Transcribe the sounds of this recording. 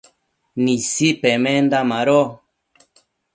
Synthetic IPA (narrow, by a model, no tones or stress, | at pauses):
nĩsipemẽnd̪amãɾo